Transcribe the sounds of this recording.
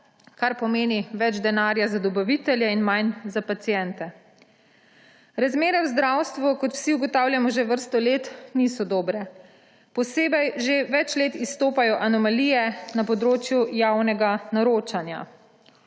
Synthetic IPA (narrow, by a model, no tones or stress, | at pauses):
kaɾpɔmeːniʋɛd͡ʒd̪ɛnaːɾjazad̪ɔbaʋit̪ɛljɛinmajnzapat̪sijɛnt̪ɛ | ɾazmeːɾɛwzd̪ɾawst̪ʋukɔt̪w̥siuɡɔt̪aːwljamɔʒeʋəɾst̪ɔleːt̪nisɔd̪ɔːbɾɛ | pɔseːbɛjʒeʋɛt͡ʃleːt̪ist̪oːpajɔʔanɔmalijɛnapɔd̪ɾoːt͡ʃjujawnɛɡanaɾoːt͡ʃanja̰